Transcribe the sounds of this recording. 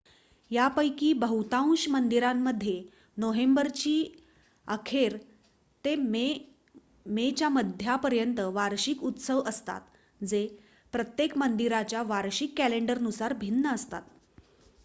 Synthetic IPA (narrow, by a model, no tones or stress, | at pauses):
japəjkiːbəɦut̪ãũɕmənd̪iɾãmːəd̪ʱːje | noɦembəɾt͡ɕiː | əkʰeɾ | t̪eme | met͡ɕjaməd̪ʱjapəɾjənt̪əʋaɾɕikut̪səʋəst̪a̰t̪ | d͡ze | pɾət̪jekmənd̪iɾat͡ɕjaʋaɾɕikːæleɳɖəɾnusaɾbʱinːəəst̪a̰t̪